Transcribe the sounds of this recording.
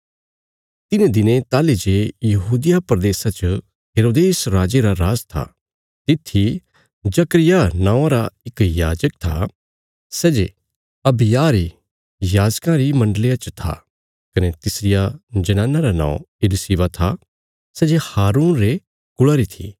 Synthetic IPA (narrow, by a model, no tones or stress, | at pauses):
t̪ɪnẽd̪ɪnẽt̪aːled͡ʒeːjɐɦuːd̪ɪjapɾɐd̪eːsat͡ʃə | ɦeːɾoːd̪eːsɾaːd͡ʒeɾaɾaːzt̪ʰa̰ | t̪ɪt̪ʰːi | d͡ʒɐkɾɪjanãːãɾaɪkjaːd͡ʒək̚t̪ʰa̰ | sɛːd͡ʒe | ɐbɪjaːɾi | jaːd͡ʒkãɾimɐ̃ɳɖəlijat͡ʃət̪ʰa̰ | kɐnet̪ɪsɾɪjad͡ʒɐnãːnːaɾanã̰ːõ̰ɪlɪsiːʋat̪ʰa | sɛːd͡ʒehaːɾuːnɾe | kʊɭaɾit̪ʰḭː